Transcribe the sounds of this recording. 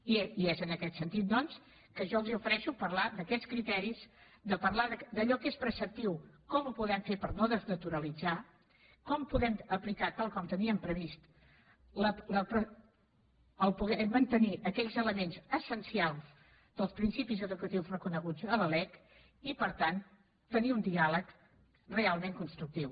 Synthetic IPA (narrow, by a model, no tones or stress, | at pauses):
iiezənəkɛt̪sənt̪it̪̚d̪ɔns | kəʒɔəlˠziufəɾɛʃupəɾlad̪əkɛt͡sskɾit̪ɛɾiz | d̪əpəɾlaðəd̪əʎɔkespɾəsəp̚t̪iwkɔmupuðɛmfepəɾnoðəznət̪uɾəlid͡za | kɔmpuðɛməplikat̪alˠkɔmt̪əniəmpɾəβist̪ | lələpɾə | əlˠpuɣɛmːənt̪əniʔəkɛʎzələmenzəsənsialˠz | d̪̥əlˠspɾinsipizəðukət̪iwzrəkunəɣud͡zələlɛk | ipəɾt̪an | t̪əniund̪ialək | realˠmeŋkunst̪ɾuk̚t̪iw